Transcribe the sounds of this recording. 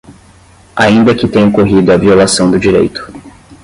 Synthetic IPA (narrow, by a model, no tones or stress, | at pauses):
aĩnd̪ɐkɪt̪ẽɲ̃ɐkoɦid̪ʊɐviolasɐ̃w̃d̪ʊd͡ʒiɾḛjt̪ʊ̥